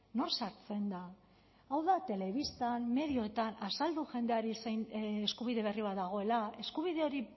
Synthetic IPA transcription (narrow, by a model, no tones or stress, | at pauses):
no̞rsaɾt͡se̞nd̪a | awðat̪e̞le̞β̞ist̪anme̞ðio̞et̪anasald̪uʝe̞nd̪e̞aɾisejneskuβiðe̞β̞e̞riβat̪̚d̪aɣ̞o̞e̞lae̞skuβiðe̞o̞ɾi